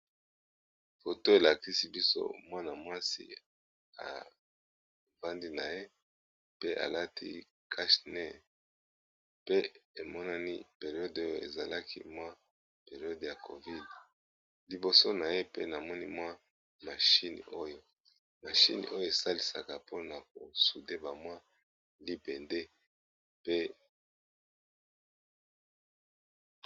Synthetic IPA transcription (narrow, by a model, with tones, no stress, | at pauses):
fo˨to˦e˨la˨ki˦si˦bi˦so̰˦mwa˦na˨mwa˦sḭ˦ | a̰˨ | ba˦ndi˦na˨je˦ | pe˦ʔa̰˨la˦tʰḭ˦ | kʰa˦ʃne˦˨ | pe˦e˨mɔ˦na˦ni˦pe˨ʁi˨ɔ˦do˦jo˦˨ḛ˨za˨la˦kʰḭ˦mwa˦ | pe˨ʁi˨ɔ˦dja˨kʰo̰˨vi˦d | li˨bo˨so˦na˨je˦pe˦na˨mɔ˦nḭ˦mwa˦ | ma˨ʃi˦n˨o˦jo˦ | ma˨ʃḭ˦nḭ˨ʔo˦jo˦e˨sa˦li˨sa̰˨ka˨po˦na˨bo˨su˨de˦ba˨mwa˦ | li˦be˨nde˦ | pe˦